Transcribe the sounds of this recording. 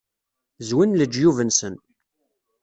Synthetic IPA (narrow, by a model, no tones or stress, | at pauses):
zwinləd͡ʒːjuvənsən